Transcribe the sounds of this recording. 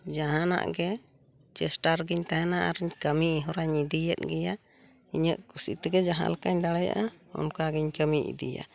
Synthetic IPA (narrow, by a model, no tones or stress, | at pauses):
d͡ʒaɦana̰ʔɡɛ | t͡ʃɛsʈaɾɡiɲt̪aɦɛnaʔaɾɛɲkəmiɦɔɾaɲid̪ijɛt̪̚ɡɛja | iɲəʔkusḭt̪ɛɡɛd͡ʒaɦa̰lakaɲd̪aɽaja̰ʔaɔ̰nkaɡɛɲkəmiʔḭd̪ḭja̰